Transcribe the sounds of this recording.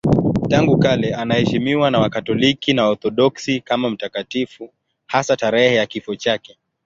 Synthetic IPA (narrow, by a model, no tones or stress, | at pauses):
taŋɡukalɛanahɛʃimiwanawakatɔlikinaɔɾθɔɗɔksikamam̩takatifu | hasataɾɛhɛjakifɔt͡ʃakɛ